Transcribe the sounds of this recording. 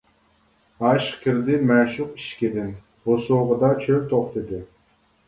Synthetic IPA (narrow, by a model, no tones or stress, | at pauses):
ɑʃkʲʰiɾd̪ɪmæʃuqiʃkʲid̪ɪn | bosuʁəd̪ɑt͡ʃʰølʲt̪ʰoχt̪ɨd̪ɪ